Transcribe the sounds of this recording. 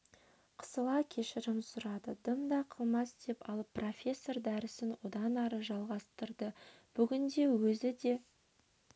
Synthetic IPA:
qʰə̥səlˠɑkʲʰe̞ʃɪɾɪmsʊɾɑd̪əd̪əmd̪ɑqʰəlˠmɑsd̪̥e̞pɑ̰lˠəpːro̞fʲe̞sːo̞rd̪æɾɪsɪnwo̞d̪ɑnɑɾəʒɑlˠʁɑst̪əɾd̪əb̥ʏɡʲɪnd̪e̞wɵzɪd̪e̞

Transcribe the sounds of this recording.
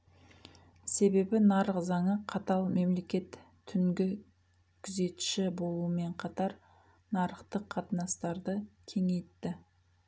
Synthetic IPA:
se̞be̞bɪnɑɾəqzɑɴəqʰɑt̪ɑlˠme̞mle̞kʲe̞t̪ʰː | ʏŋɡʲɪ | kʲʰʏze̞t̪ʃɪbo̞lˠuəme̞ɴqʰɑt̪ɑɾ | nɑɾəqt̪əqʰːɑt̪ənɑst̪ɑɾd̪əkʲʰe̞ŋe̞jt̪ːɪ

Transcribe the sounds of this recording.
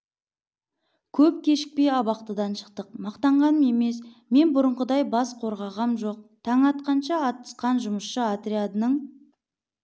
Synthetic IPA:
kʲʰɵp̚kʲʰe̞ʃɪ̥k̚pe̞jɑbɑqt̪əd̪ɑnʃə̥qt̪əq̚mɑqt̪ɑɴʁɑnəme̞me̞s | me̞nbʊɾəɴʁəd̪ɑjbɑsqʰo̞ɾʁɑʁɑmʒo̞q̚t̪ʰɑɴɑt̪̚qɑnʃɑːt̪ːə̥sqɑnʒʊməsʃəat̪rʲiad̪ənəɴ

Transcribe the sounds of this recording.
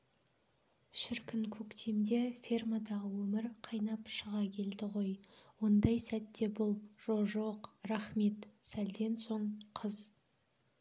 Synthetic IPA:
ʃɪɾkʲɪnkʲʰɵkt̪ʰemd̪e̞fʲirmad̪ɑʁəwɵmɪɾqʰɑjnɑpʃəʁɑkʲʰe̞ld̪ɪʁo̞jwo̞nd̪ɑjsæt̪ːe̞bʊlˠʒ̥olˠʒoqɾɑχme̞t̪sæld̪e̞nso̞ɴqʰəz̥

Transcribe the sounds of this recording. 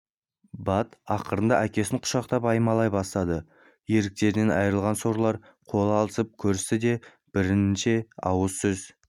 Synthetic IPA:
bɑt̪ɑqəɾənd̪ɑʔækʲe̞sɪɴqʰʊ̥ʃɑqt̪ɑpɑjəmɑlˠɑjbɑst̪ɑd̪ə | je̞ɾɪk̚t̪e̞ɾɪne̞nɑ̰jəɾəlˠʁɑnsoɾlˠɑɾ | qʰo̞lˠɑlˠəsəp̚kʲʰɵɾɪst̪ɪd̪e̞ | b̥ɪɾɪnɪnʃe̞ɑ̰wəzsʏz

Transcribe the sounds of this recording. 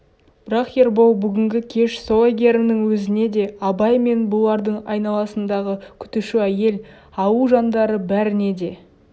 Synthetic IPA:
b̥ɪɾɑqje̞ɾbowbʏɡʲɪŋɡʲɪkʲʰe̞ʃsoeɡʲe̞ɾɪnɪŋwɵzɪne̞d̪e̞ɑbɑjme̞nbʊlˠɑɾd̪əɴɑ̰jnɑlˠɑsənd̪ɑʁəkʲʰʏ̥t̪ɪʃɪæje̞l | ɑwuʒɑnd̪ɑɾəbæɾɪne̞d̪e̞

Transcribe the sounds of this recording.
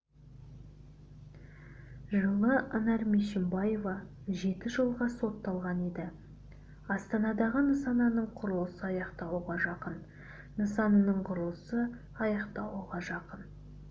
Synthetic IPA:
ʒəlˠəʔɑnɑɾmeʃɪmbɑjo̞vɑ | ʒe̞t̪ɪʒəlˠʁɑso̞t̪ːɑlˠʁɑne̞d̪ɪ | ɑst̪ɑnɑd̪ɑʁənəsɑnɑnəɴqʰʊɾəlˠəsəɑjɑqt̪ɑwuʁɑʒɑqən | nəsɑnənəɴqʰʊɾəlˠəsə | ɑjɑqt̪ɑlˠuʁɑʒɑqən

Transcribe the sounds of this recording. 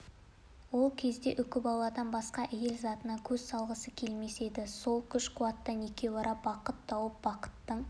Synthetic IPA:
wo̞lˠkʲʰe̞zd̪e̞ʔʏkʲɪbɑlˠɑd̪ɑnbɑsqɑʔæje̞lzɑt̪ənɑkʲʰɵzsɑlˠʁəsəkʲʰe̞lme̞se̞d̪ɪso̞lˠkʲʰʏʃqʊwɑt̪ːɑnekʲe̞bɑɾɑbɑqət̪ːɑwəp̚bɑqə̥t̪ːəɴ

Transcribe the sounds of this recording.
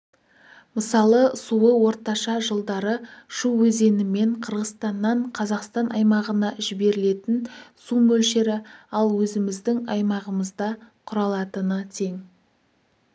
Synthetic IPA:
məsɑlˠəsuəwo̞ɾt̪ɑʃɑʒəlˠd̪ɑɾəʃuwɵze̞nɪme̞ɴqʰəɾʁəst̪ɑnːɑɴqʰɑzɑqst̪ɑnʔɑjmɑʁənɑʒɪbe̞ɾɪle̞t̪ɪnsumɵlʃeɾɪɑlˠwɵzɪmɪzd̪ɪŋɑjmɑʁəməzd̪ɑqʰʊɾɑlˠɑt̪ənət̪ʰe̞ŋ

